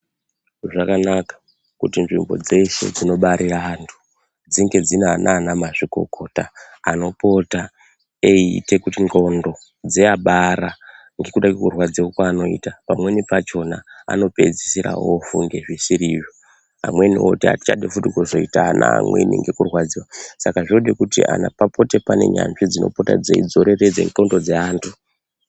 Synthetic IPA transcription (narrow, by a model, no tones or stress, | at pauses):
ʐakanakḁ | kutinʐimbo̞̰d͡ze̞ʃe̞̰d͡zino̞ɓaɾiraantʰu̥ | d͡ziŋɡe̞d͡zinanʔaːnamaʐiko̞̰kʰo̞taː | no̞po̞ta | eite̞kutiŋɡo̞ndo̞ | d͡zeaɓaɾa | ŋɡe̞kuɗakikurwad͡zeokwaːno̞ḭtapamwe̞nipat͡ʃo̞naa̰no̞pe̞d͡zisiɾa̰wofuŋɡe̞ʐisiɾiwi | a̰mwe̞niwo̰tia̰ti̥t͡ʃaɗefutikuzo̞itaːna̰mwḛniŋɡe̞kurwad͡ziwosakaʐioɗekutiʔa̰napapo̞te̞pane̞̰ɲa̰nʐid͡zino̞̰po̞ta̰d͡zeid͡zo̞ɾe̞red͡zḛŋɡo̞ndo̞d͡zeaːntʰu